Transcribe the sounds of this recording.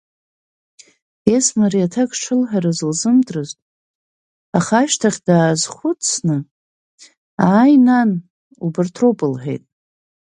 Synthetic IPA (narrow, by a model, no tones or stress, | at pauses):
esmaɾiatʰakʼʈ͡ʂʰɨlħᶣaɾazɨlzɨmdʼrɨztʼ | aχaʃtʰaχʲdaːzχʷʊt͡sʰnɨ | aːjnan | ubɪrtʰropʼɨlħᶣe̞̰jtʼ